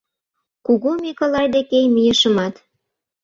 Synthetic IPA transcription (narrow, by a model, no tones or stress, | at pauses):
kuɣomekəlɑjd̪ekejmijə̆ʃə̆mɑt̪